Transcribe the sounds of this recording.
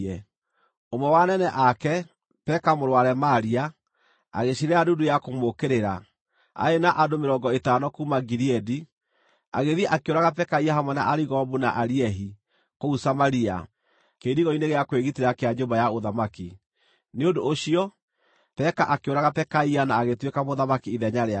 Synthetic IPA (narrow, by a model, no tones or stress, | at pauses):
ɛ | omɛwanɛnɛʔakɛ | pɛkamoɾwaɾɛmaɾia | a̰ɣeɕiɾɛadudujakomokeɾeɾa | a̰enaʔadomeɾɔːŋɡɔetaːnɔkumaɡiɾiɛdi | a̰ɣeðiaʔakeoɾaɣapɛkaiaɦamwɔna̰ʔaɾiɣɔβunaʔaɾiɛɦi | kousamaɾia̰ | keɾdiɣɔineɣeakweɣiteɾakeaɲombajaoðamaki | neondoːɕiɔ | pɛkaʔakeoɾaɣapɛkaianaːɣetwekamoðamakiiðɛɲaɾea